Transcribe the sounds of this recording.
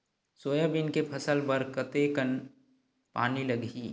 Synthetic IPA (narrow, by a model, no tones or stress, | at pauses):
soːjəbɪnkepʰɐsəlbəɾkət̪ekən | pa̰ːnilɐɡʱiː